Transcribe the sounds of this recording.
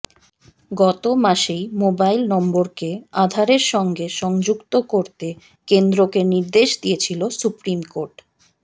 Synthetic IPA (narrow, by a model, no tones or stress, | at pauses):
ɡɔt̪omaʃejmobajlnɔmboɾkead̪ʱaɾeɾʃɔŋɡeʃɔŋd͡ʑukt̪okoɾt̪e | kend̪ɾokeniɾd̪eʃd̪ijet͡ɕʰilosupɾimkoɾʈ